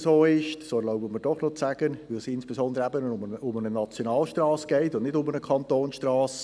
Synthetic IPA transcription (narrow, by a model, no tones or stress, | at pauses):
soːɪʃtsoːloʊbəmədɔχnɔt͡sæɡ̥ənʋɪlsɪnsb̥esɔnd̪ɾəæbənʊmʊmənənɑt͡sjonɑːlʃtrɑːsɡ̥ɛɪtʊndnɪdʊmənəkʰɑnt̪oːnsʃtrɑːs